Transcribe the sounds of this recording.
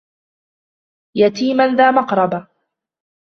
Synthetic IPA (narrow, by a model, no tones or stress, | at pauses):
jat̪iːmanðaːmɑqɾˤɑba